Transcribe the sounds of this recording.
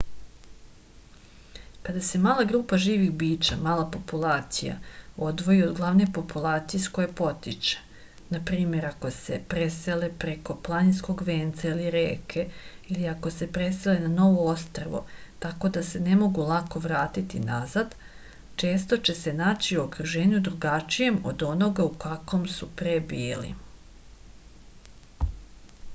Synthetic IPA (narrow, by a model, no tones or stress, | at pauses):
kad̪ase̞maːlˠaɡɾuːpaʒiːʋixbiːt͡ʃa̰maːlˠapo̞pulˠaːt̪sija̰o̞d̪ʋo̞jiod̪ɡlˠaʋne̞po̞pulˠaːt̪sijesko̞jepo̞t̪it͡ʃe̥ | napɾiːme̞ɾako̞se̞̰pɾe̞se̞le̞pɾe̞ko̞plˠaninsko̞ɡʋe̞ːnt̪sailiɾeːkʰe̞iliako̞se̞pɾe̞se̞lenano̞ʋoost̪ɾaʋo̰t̪ako̞d̪asene̞mo̞ɡulˠako̞ʋɾaːt̪it̪inazad̪ | t͡ʃe̞ːst̪o̞t͡ɕe̞se̞naːt͡ɕiokɾuʒe̞ːɲud̪ɾuɡat͡ʃije̞mo̞̰d̪o̞no̞ɡaukako̞msupɾebiːlḭ